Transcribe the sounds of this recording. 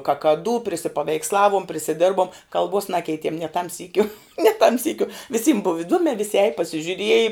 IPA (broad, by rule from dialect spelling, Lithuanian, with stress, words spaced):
kɐkɐˈduː pʲrʲɪsʲɪpɐʋʲɛɪksˈlˠɑːʋuɔm pʲrʲɪsʲɪˈdʲɪrbuɔm kɐlˠˈbuɔs ˈnɑːkʲɛɪtʲiɛm nʲiɛ tɐm ˈsʲiːkʲʊ nʲiɛ tɐm ˈsʲiːkʲʊ ʋʲɪˈsʲiːm bʊw ɪˈduɔmʲɛː ʋʲɪsʲɪ ɛːj pɐsʲɪʒʲʊˈrʲiɛjɪ